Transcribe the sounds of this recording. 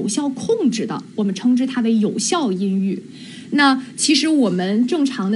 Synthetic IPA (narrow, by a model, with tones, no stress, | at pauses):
ʊɕjɑ˥˧ʊkʰʊ˥˧ŋʈ͡ʂɻ̩˥˩d̪ə̰˩wɔ˨˩mə˦nʈ͡ʂʰɤ˥ŋʈ͡ʂɻ̩˥˧t̪ʰa˥we˧˥ɪjo˨˩ʊɕjɑ˥˩ʊi˥ny˥˩ | na˥˩t͡ɕʰi˧˥ʂɻ̩˧˥wɔ˨˩mə˦nʈ͡ʂɤ˥˩ŋʈ͡ʂʰɑ˧˥ŋd̪